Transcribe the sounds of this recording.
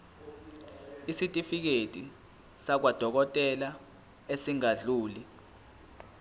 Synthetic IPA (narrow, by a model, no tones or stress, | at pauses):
isitʼifik̬etʼi | sak̬wad̥ʱɔk̬ɔtʼɛla | esiŋaɮuːli